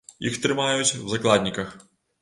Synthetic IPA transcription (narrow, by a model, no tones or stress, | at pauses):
jixt̪ɾɪmɑjʊtʲwzɐklˠɑdʲnʲikɐx